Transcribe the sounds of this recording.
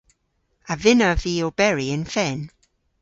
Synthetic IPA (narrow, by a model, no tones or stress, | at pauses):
ʔəvɪnəviəb̥ɛɹiɪ̃nfɛn